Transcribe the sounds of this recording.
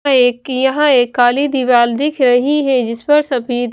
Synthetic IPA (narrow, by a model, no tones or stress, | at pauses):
eːkjɐɦãeːkːaːlid̪iʋaːld̪ɪkʰɾɐɦiɦɛd͡ʒɪspɐɾsɐbʱi